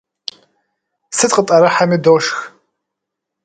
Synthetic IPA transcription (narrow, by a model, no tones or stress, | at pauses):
sɨt̚qʼətʼɐɾɐħamiːdoʂx